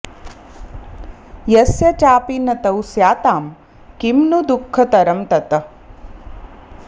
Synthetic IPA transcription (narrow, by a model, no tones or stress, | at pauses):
jɐsjɐt͡ʃaːpinɐt̪ɐwsjaːt̪aːm | kimnud̪ukʰːɐt̪ɐɾɐmt̪ɐt̪ɐ